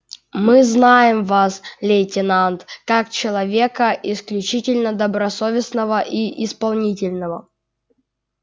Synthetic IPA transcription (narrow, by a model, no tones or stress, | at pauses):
mɨznajɪmvaslʲejtʲɪnant̪kakt͡ɕɪlˠɐvʲe̞kəʔɪsklʲʉt͡ɕitʲɪlʲnəd̪əbɾɐso̞vʲɪsnəvəʔiʔɪspɐlˠnʲitʲɪlʲnəvə